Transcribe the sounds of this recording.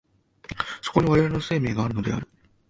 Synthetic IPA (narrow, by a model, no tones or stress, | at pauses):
soko̞ɲiβaɾe̞βaɾenose̞ːme̞ːɡaːɾɯ̟no̞d̪e̞̰a̰ɾɯ̟